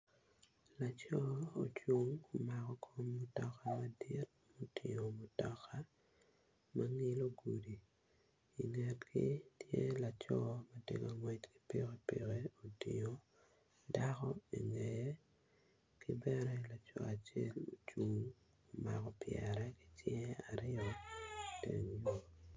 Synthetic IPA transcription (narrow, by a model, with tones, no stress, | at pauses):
la˨t͡ʃɔ˦o˨t͡ʃu˦ŋo˨ma˨kɔ˦kʰo˦mːo˦tɔ˨ka˦ma˦di˦t̚ | mo˨tʰi˨o˨mo˨tɔ˨kʰa˦ | ma˦ŋi˦lo˦ɡu˨di˨ | i˨ŋe˨tkʰi˦tje˦la˨t͡ʃɔ˦ma˦te˦ka˨ŋwɛ˦t͡ʃki̥˦pi˦ke˦pi˨keo˨tḭ˨o˨ | da˦kɔ˦i˨ŋe˨je˦ | ki˦bɛ˦ɾɛ˦la˨t͡ʃɔ̰˨a˨t͡ʃe˦lo˨t͡ʃu˨ŋ | o˨ma˨kɔ˨pjɛɾɛ˦ki̥˦tjɛ˦a˨ɾɪ˦ɔ˨tḛ˨ŋjo˨